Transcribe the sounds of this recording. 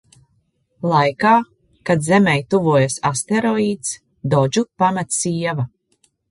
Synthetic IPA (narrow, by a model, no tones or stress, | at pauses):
lˠajkaː | kad̪zɛmɛjt̪uvuɔjasast̪eɾɔiːt̪s | d̪ɔd͡ʒupamat̪siɛva